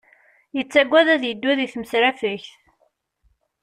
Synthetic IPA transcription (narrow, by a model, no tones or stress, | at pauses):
jət͡sːæɡʷːæðæðjəd̪ːæðiθməsɾæfəçθ